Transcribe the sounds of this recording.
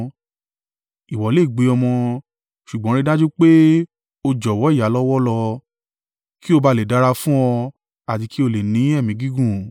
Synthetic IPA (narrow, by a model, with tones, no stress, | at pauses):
i˨wɔ˨˦le˦˨ɡ͡be˧ɔ˧mɔ̃˧ | ʃu˨ɡ͡bɔ̃˨˦ɾ̃ĩ˦˧dã˦d͡ʒu˦k͡pe˦ | o˧d͡ʒɔ˨wɔ˨˦i˦˨ja˨˦lɔ˦wɔ˦lɔ˧ | ki˦o˧ba˧le˨da˨˦ɾa˧fũ˦ɔ˧ | a˨ti˧ki˦o˧le˨nĩ˨˦ɛ˦˨mĩ˨˦ɡi˦ɡũ˦˨